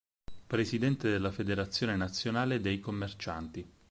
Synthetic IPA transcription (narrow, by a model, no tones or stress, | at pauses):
pɾesid̪ɛnt̪ed̪elːafed̪eɾat̪sːjoːnenat̪sːjonaːled̪ejkomːert͡ʃant̪i